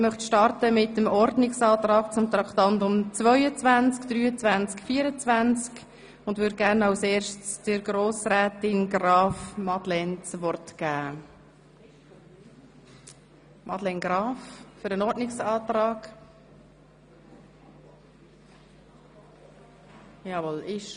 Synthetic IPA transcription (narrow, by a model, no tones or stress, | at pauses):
ɪmœχt̪ʃtɑrtəmɪt̪əmɔɾdnɪksɑːt̪ɾɑːk̚t͡sʊmt̪ɾɑkt̪ɑnt̪ʊmt͡svœʏət͡svænt͡skd̥̪ɾyːət͡svænt͡skfiːəɾət͡svænt͡sk | ʊndʋʏɾd̚ɡæɾnaʊseːɾʃtt͡sd̥əɾɡɾoːsɾɛːt̪ɪnɡɾɑːfmɑd̪lɛnt͡sʋɔrtɡ̥æː | mɑdlɛnɡɾɑːffʏɾənɔɾdnɪksɑːt̪ɾɑːɡ̥ | jɑːvɔlɪʃ